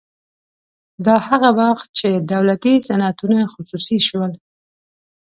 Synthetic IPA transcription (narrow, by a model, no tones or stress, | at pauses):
d̪ɑhaɣabɑxt̪̚t͡ʃed̪awlat̪isanat̪unaxʊsusiʃwəl